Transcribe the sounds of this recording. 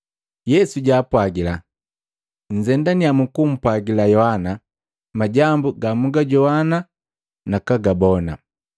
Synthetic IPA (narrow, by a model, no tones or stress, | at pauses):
jɛsuɟaːpwaɡila | ɲ̩d͡ʒɛndanijamukum̩pwaɡilajɔhana | maɟambuɡamuɡaɟɔhana | nakaɡabɔna̰